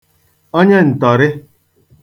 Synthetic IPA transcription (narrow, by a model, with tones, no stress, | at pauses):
o˦ɲe˦n̩˨tɔ˨ɾɪ˦